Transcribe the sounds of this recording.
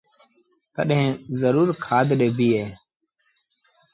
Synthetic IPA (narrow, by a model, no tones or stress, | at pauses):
kəɗɦẽːzəɾuːɾkʰaːd̪ɗeːbʱiːɦeː